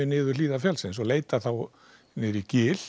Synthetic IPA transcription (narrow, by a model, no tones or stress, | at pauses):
ɪnɪːðʏ̥liːðafjalsɪnsɔleːjt̪aθaw | nɪɾicɪːl̥